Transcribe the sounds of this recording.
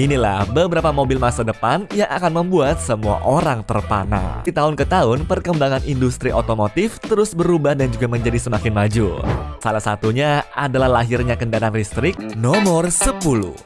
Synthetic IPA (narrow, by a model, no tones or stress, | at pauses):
inila̰hbəbəɾapamobɪlmasadəpanjaŋʔakanməmbuat̪̚səmua̰ʔoɾaŋt̪ərpana̰it̪aʊnkət̪aʊnpərkəmbaŋanʔindust̪ɾiʔot̪omot̪ɪft̪əɾʊsbəɾubahdand͡ʒuɡaməɲd͡ʒadisəmakɪnmad͡ʒusalahsat̪uɲaadalahlaɦɪrɲakəndaɾaanrist̪ɾɪk̚nɔmɔrsəpulṵh